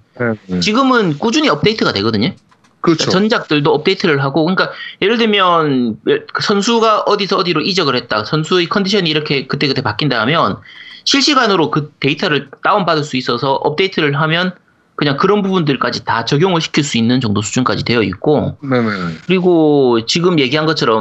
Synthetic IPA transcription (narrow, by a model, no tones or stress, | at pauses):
t͡ɕiɡɯmɯnk͈ud͡ʑuɲiʌp̚t͈e̞itʰɯɡadwe̞ɡʌdɯɲo | kɯt͡ɕkat͡ɕʌnd͡ʑak̚t͈ɯɭdoʌp̚t͈e̞itʰɯɾɯɭɦaɡokɯɲik͈aje̞ɾɯɭdemjʌnjkɯsʰʌnsʰuɡaʔʌdisʰʌːdiɾoʔid͡ʑʌɡɯɭhe̞t̚t͈asʰʌnsʰuekʰʌndiɕʰʌniːɾʌkʰe̞kɯt͈ekɯtʰepak͈indaamjʌnɕʰiɭɕ͈iɡanɯɾokɯte̞itʰaɾɯɭt͈aombadɯɭs͈uis͈ʌsʰʌʔʌ̰p̚t͈eitʰɯɾɯɭɦamjʌn | kɯɲaŋkɯɾʌnbubundɯɭk͈ad͡ʑitat͡ɕʌɡjoŋɯɭɕʰi̥kʰiɭs͈uinːɯnt͡ɕʌŋdosʰu̥d͡ʑunk͈ad͡ʑidwe̞jʌḭt̚k͈onenekɯɾiɡot͡ɕiɡɯmje̞ɡiɦanɡʌt͡ɕʰʌɾʌm